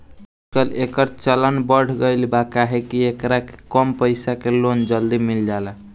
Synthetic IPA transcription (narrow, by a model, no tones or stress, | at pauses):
ut͡ʃkəlekəɾt͡ʃələnbəɽ̤ɡəɪlbakaɦekiekɾake̥kəmpəɪsakelond͡ʒəld̪imild͡ʒalɛ